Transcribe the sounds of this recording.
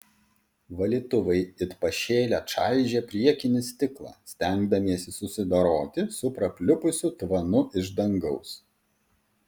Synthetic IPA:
ʋɐlʲiːt̪ʊʋɐɪɪt̪pɐʃʲeːlʲæːʃɑˑɪʒʲeːpʲɾʲiɛkʲɪnʲɪsʲt̪ʲɪklˠɑ̰ːsʲt̪ʲæŋɡd̪ɐmʲiɛsʲɪsʊsʲɪd̪ɐɾoːt̪ʲɪsʊpɾɐpʲlʲʊpʊsʲuːt̪ʋɐnʊʔɪʒd̪ɐŋɡɐʊs

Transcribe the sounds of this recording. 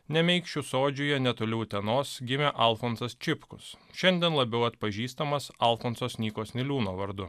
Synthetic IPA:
nʲɛmʲɛɪkʃt͡ʃʲʊsoːd͡ʒʲʊjɛnʲɛt̪oːlʲɛʊt̪ʲɛnoːsɡʲɪmʲeːʔɐˑlˠfoːnsɐst͡ʃʲɪpkʊ̰sʃʲɛnʲd̪ʲiɛnlˠɐbʲɛʊɐt̪pɐʒʲiːst̪ɐmɐsɐˑlˠfoːnsoːsʲnʲiːkoːsʲnʲɪlʲuːnoːʋɐɾd̪ʊ

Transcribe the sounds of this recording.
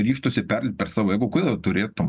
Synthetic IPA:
ɾʲiːʃt̪oːsʲɪpʲɛrʲlʲɪp̚ʲpʲɛɾsɑːʋoːjɛɪɡʊkʊd̪ʲɛd̪ɐt̪ʊɾʲeːt̪ʊm

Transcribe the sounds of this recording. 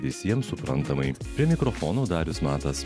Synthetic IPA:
ʋʲɪsʲiɛmsʊpɾɐ̰nt̪ɐmɐɪpʲɾʲiɛmʲɪkɾɔfɔːnoːd̪ɑːɾʲʊsmɑːt̪ɐs

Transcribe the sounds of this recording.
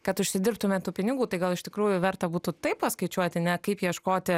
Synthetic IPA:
kɐt̪ʊʃʲsʲɪd̪ʲɪɾp̚t̪ʊmʲeːt̪t̪uːpʲɪnʲɪɡuːt̪ɐɪɡɐlˠɪʃt̪ʲɪkɾuːjʊʋʲɛrt̪ɐbuːt̪ut̪ɐɪppɐskɐɪt͡ʃʲuɔt̪ʲɪnʲɛkɐɪpjiɛʃkoːt̪ʲɪ

